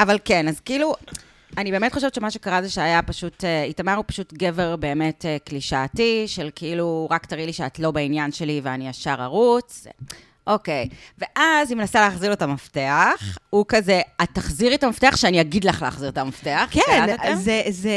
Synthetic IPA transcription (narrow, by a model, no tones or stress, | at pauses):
avalkenazkiilu | anibeːmetχo̞ʃe̞vt͡ʃemaʃekaʁazeʃeajapaʃuteitamaʁupḁʃutɡe̞veʁbe̞ːmetekliʃaːtiʃelkeiluʁaktaʁidliʃeatlo̞bainjanʃe̞liveaniaʃaʁaʁut͡s | ʔo̞kejve̞ʔazimenasaleːχziʁotamafteaχhukazeataχziʁetamafteaχʃeaniaɡidlaχleaχziʁetamafteaχkeaoezeze